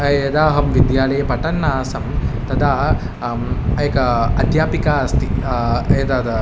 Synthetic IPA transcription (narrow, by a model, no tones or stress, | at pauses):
ɐɐd̪aːɦɐmʋid̪jaːɭɐjɐpɐʈɐnːaːsɐmt̪ɐd̪aː | ɐjkɐɐd̪jaːpikaːɐst̪ied̪ad̪ɐ